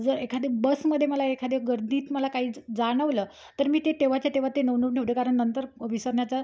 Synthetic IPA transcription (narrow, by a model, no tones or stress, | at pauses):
d͡zəɾekʰad̪ʱebəsməd̪ʱːjeməlaekʰad̪eɡəɾd̪iːt̪məlakaɦiːd͡zaɽ̃əʋləː | t̪əɾmiːt̪et̪eʋ̤at͡ɕjat̪eʋ̤at̪enəʋnuʈʰeʋɽekaɾəɳnːənt̪əɾʋisəɾɳjat͡sa